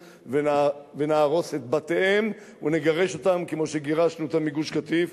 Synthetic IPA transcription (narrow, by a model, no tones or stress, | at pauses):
venvenaːʁo̞set̪̚bat̪eʔem | uneɡaʁe̞ʃo̞t̪amkemo̞ʃeɡeʁaʃnuet̪amiɡuʃkat̪if